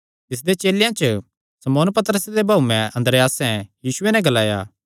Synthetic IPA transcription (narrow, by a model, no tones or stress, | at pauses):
t̪ɪs̬d̪et͡ʃeːljãt͡ʃə | sɐmoːnpɐt̪əɾəsed̪ebʱaːumɛ̃ɐ̃nd̪əɾjaːsɛ̃jiːsʊenɛ̃ɡɐlaːja̰ː